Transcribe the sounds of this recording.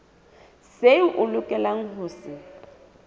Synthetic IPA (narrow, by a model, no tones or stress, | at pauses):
seʔʊlʊkʼɛlaŋ̩ɦʊːsɪ